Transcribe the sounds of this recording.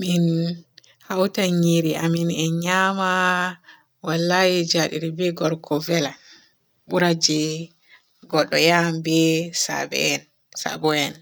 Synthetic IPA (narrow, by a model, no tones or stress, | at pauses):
min | hawtaɲiɾiʔaminɛɲama | walːajid͡ʒaɗḭɾibɛɡɔɾkʰɔvɛla | ɓuɾad͡ʒɛ | ɡɔɗːɔjambɛsa̰bɛ̰n | sa̰bɔɛn